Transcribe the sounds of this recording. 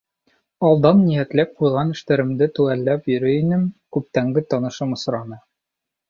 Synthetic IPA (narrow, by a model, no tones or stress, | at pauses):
ɒlˠd̪ɑnːijæt̪læp̚qujʁɑnɘ̆ʃt̪æɾɘ̆md̪ɘt̪ʉʁælːæpjɵ̆ɾɘinɘmkʉp̚t̪æŋɡɘt̪ɒnɤ̆ʃɤmŏsɾɑnɤ